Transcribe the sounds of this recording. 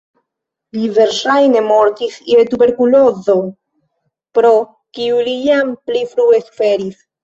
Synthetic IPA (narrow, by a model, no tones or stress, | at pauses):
liveɾʃajnemoɾt̪isiet̪ubeɾkulozo | pɾo | kiulijamplifɾuesu̥feɾis